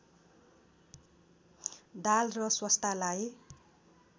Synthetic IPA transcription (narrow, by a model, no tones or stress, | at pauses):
d̪alrʌswʌst̪ʰalaj